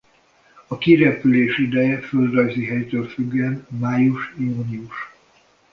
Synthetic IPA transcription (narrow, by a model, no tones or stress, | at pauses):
ɒkiɾɛpyleːʃid̪ɛjɛføld̪rɒjziɦɛjt̪øːlfyɡːɛnmaːjuʃjuːniuʃ